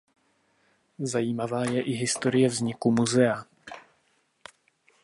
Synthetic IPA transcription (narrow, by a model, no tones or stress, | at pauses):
zajiːmavaːjɛʔɪɦɪst̪o̞ɾɪjɛvzɲɪkumuzɛa